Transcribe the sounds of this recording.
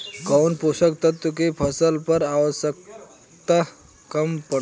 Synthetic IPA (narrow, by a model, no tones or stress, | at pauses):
ɡawnposəkt̪ət̪ːəkepʰəsəlpəɾaʋəsək̚ | t̪a | kəmpə